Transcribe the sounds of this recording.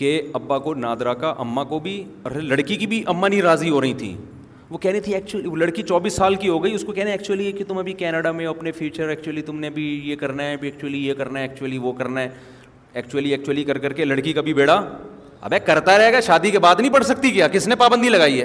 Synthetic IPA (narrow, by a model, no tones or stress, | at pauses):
keɐbːakonaːd̪ɾaːkaʔɐ̰mːakobʱi | ɔ̰ːɾlɐɽkikibʱiʔɐmːanɦĩɾaːziɦoːɾɐɦĩt̪ʰḭː | ʋokɛɦnet̪ʰiɛːk̚t͡ʃʊəliʋolɐɽkit͡ʃɔːbiːsːaːlkiɦoːɡɐiʊskokɛːneɛːk̚t͡ʃʊəliekit̪ʊmɐbʱikɛːnəɽamẽɔɐpnefjuːt͡ʃəɾɛːk̚t͡ʃʊəlit̪ʊmnẽbʱijekɐɾnaɛbʱiɛːk̚t͡ʃʊəlijekɐɾnaɛɛːk̚t͡ʃʊəliʋokɐɾnaɛ | ɛːkt͡ʃʊəliɛːk̚t͡ʃʊwəlikɐɾkɐɾkelɐɽkikabʱibeːɽa | ɐ̰bɛːkɐɾt̪aɾɛɦeːɡaʃaːd̪ikebaːd̪nɐɦĩpɐɽsɐk̚t̪ikijakɪsnẽpaːbə̃nd̪ʱilɐɡaːiɦɛː